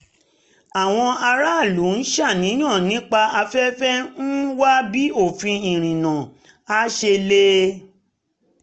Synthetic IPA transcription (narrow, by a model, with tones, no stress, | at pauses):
a˨w̃ɔ̃˧ʔa˧ɾa˦˨lu˨˦n̩˦ʃa˦˨nĩ˨˦jã˦˨nĩ˦k͡pa˧a˧fɛ˦fɛ˦n̩˦wa˦bi˦o˦˨fĩ˧ĩ˨ɾ̃ĩ˨nã˨ | a˦ʃe˧le˦